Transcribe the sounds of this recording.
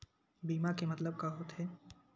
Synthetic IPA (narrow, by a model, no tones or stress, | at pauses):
biːmakemɐt̪ləb̚kaɦot̪ɦɛː